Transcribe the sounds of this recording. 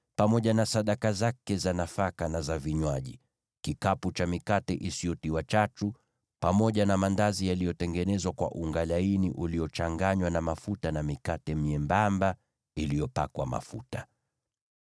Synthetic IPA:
pamɔʄanasaɗakazakɛzanafakanazaviɲwaʄi | kikaput͡ʃamikatɛʔisiɔtiwat͡ʃatu | pamɔʄanamandazijalijɔtɛŋɡɛnɛzwakwa̰ʔuŋɡalainiʔuliɔt͡ʃaŋɡaɲwanamafutanamikatɛm̩ɛmbamba | ilijɔpakwa̰ma̰fṵta

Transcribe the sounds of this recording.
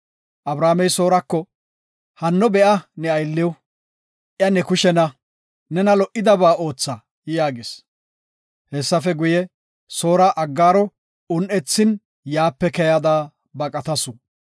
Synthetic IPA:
ʔɐbɾaːmɛjso̞ːɾɐkːɔ | hɐnːɔbɛʔɐnɛɐjlːɪw | ʔɪjɐnɛkʊʃɛnɐ | nɛnɐlɔʔɪd̪ɐbaːo̞ːt͡sːa | ɪjaːɡɪs | hɛsːɐfɛɡʊjɛ | so̞ːɾɐʔɐɡːaːɾɔ | ʊnʔɛt͡sːɪn | jaːpːɛkɛjɐd̪aː | bɐkʼɐt̪ɐsʊ

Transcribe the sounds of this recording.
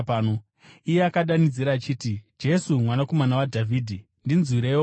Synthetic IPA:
no | ijeakaɗanid͡ziɾaːt͡ʃiːtid͡ʒe̞sumwanako̞manawadʱavʱiːdʱi | ndinzwiɾewo

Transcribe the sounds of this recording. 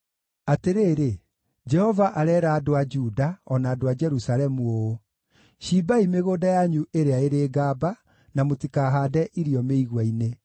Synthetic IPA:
ateɾeːɾe | d͡ʒɛhɔvaʔaɾɛɾaːdoad͡ʒudaɔnaːdoad͡ʒɛɾusaɾɛmuo | ɕibaimeɣoːdajaɲuʔeɾeaeɾeːɡaːba | namotikaːɦadɛʔiɾiɔmeiɣwaine

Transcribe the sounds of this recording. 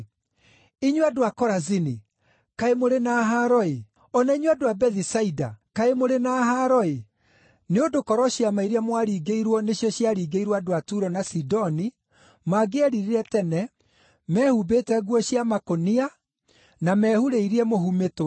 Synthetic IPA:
iɲwadoakɔɾazini | kaemoɾenaɦaɾɔe | ɔnaiɲwadoabɛðisaida̰kaemoɾenaɦaɾɔe | neodokɔɾɔɕjamaiɾeamwaɾiːɡeiɾwɔneɕjɔɕjaɾiːɡeiɾwadoatuɾɔnasidɔni | maɡeaɾiɾiɾɛtɛnɛ | mɛːhubetɛɣwɔɕiamakonia | namɛhuɾeiɾiɛmohumeto

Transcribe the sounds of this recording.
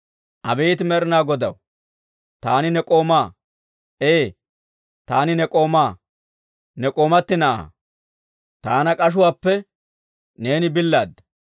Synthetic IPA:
ʔɐbeːt̪ɪmɛɾɪnaːɡɔd̪ɐ̰w | t̪aːnɪnɛkʼo̞ːmaː | ʔeː | t̪aːnɪnɛkʼo̞ːmaː | nɛkʼo̞ːmɐt̪ːɪnɐʔa̰ː | t̪aːnɐkʼɐʃ̬ʊwaːpːɛ | ne̞ːnɪbɪlːaːd̪ːɐ

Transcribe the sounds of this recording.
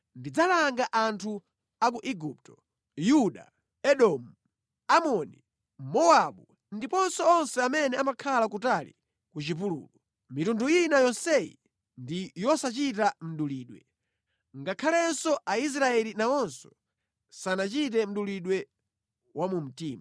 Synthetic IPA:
ndid͡zalaŋɡaʔantʰu | ak̬uʔiɡup̚tɔ̥ | juɗa̰ | ɛɗɔmu | amɔnḭ | mɔaɓu | ndipɔnsɔɔnsɛamɛnɛamakʰalakutalḭ | kut͡ʃipulṵːlɔ | mitunduinajɔnsɛḭ | ndijɔsat͡ʃitam̩ɗuliːɗwɛ̰ | ŋɡakʰalɛnsɔʔais̬ɾaɛlinaɔnsɔ | sanat͡ʃit̬ɛm̩ɗuliɗwɛ | wamum̩tiːma

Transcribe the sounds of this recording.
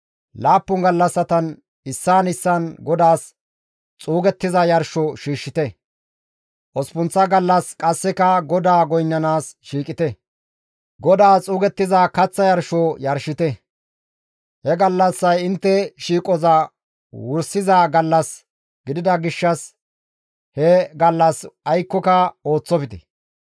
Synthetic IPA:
laːpːʊŋɡɐlːɐsːɐt̪ɐn | ɪsːaːnɪsːɐnɡɔd̪aːs | t͡sʼuːɡɛt̪ːɪzɐjɐɾʃɔʃiːʃːɪt̪ɛ | ʔɔspʊnt͡sːɐɡɐlːɐskʼɐsːɛkɐɡɔd̪aːɡɔjnːɐnaːsʃiːkʼɪt̪ɛ | ɡɔd̪aːt͡sʼuːɡɛt̪ːɪzaːkɐt͡sːɐjɐɾʃɔjɐɾʃɪt̪ɛ | hɛɡɐlːɐsːɐjɪnt̪ːɛʃiːkʼɔzɐ | wʊɾsɪzaːɡɐlːɐs | ɡɪd̪ɪd̪ɐɡɪʃːɐs | hɛɡɐlːɐsɐjkːɔkɐo̞ːt͡sːɔpɪt̪ɛ̥

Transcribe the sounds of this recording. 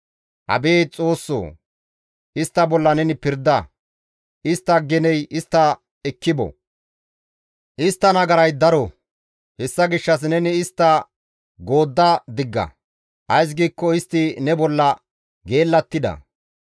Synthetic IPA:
ʔɐ̰be̞ːt͡sʼo̞ːsːo̰ː | ʔɪst̪ːɐbɔlːɐnɛnɪpɪɾd̪ːɐ | ʔɪst̪ːɐɡɛnɛjɪst̪ːɐ | ɛkːɪbɔ̰ | ʔɪst̪ːɐnɐɡɐɾɐjd̪ɐɾɔ | hɛsːɐɡɪʃːɐs̬nɛnɪːst̪ːɐ | ɡo̞ːd̪ːɐd̪ɪɡːɐ̰ | ʔɐjs̬ɡiːkːɔɪst̪ːɪnɛbɔlːɐ | ɡe̞ːlːɐt̪ːɪd̪ɐ̰

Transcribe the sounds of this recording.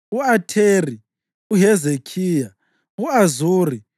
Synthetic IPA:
uatʰeri | uɦɛzekʰiːja | uazuːri

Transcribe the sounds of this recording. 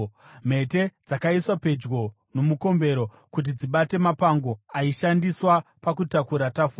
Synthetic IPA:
m̤e̞te̞d͡zakaiswape̞d͡ʒɡo̞ | no̞muko̞mbe̞ɾo̞ | kut̬id͡ziɓate̞mapaŋɡo̞aiʃandiswapakutakuɾatafua

